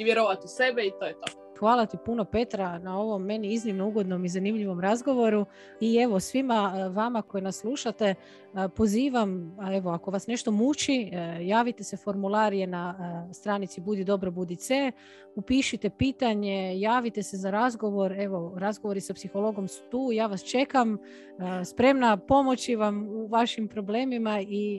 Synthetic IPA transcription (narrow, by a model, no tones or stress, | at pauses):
iʋjeɾoʋat̪use̞beit̪ojet̪o | xʋaːlˠat̪ipuno̞pe̞t̪ɾanao̞ʋo̞mːe̞niiznimno̞uɡo̞d̪no̞mizanimʎiʋo̞mɾazɡo̞ʋo̞ɾu | ie̞ʋo̞sʋimaʋamako̞jenasːlˠuːʃat̪e̞ | po̞ziːʋamae̞ʋo̞ako̞ʋasne̞ʃt̪o̞mut͡ʃijaːʋit̪e̞se̞fo̞ɾmulˠaɾije̞nast̪ɾanit̪sibud̪id̪o̞bɾobud̪ise | upiʃit̪e̞piːt̪aɲe̞jaːʋit̪e̞se̞zaɾazɡo̞ʋo̞ɾe̞ʋo̞ɾazɡo̞ʋo̞ɾisapsixo̞lˠo̞ɡo̞msu̥t̪uːjaːʋast͡ʃe̞kam | spɾe̞mnapo̞mo̞t͡ɕiʋamuʋaʃimpɾo̞ble̞ːmimai